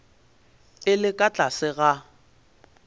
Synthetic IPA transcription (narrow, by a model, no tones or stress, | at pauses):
ɪlɪkʼat͡ɬʼasɪɣa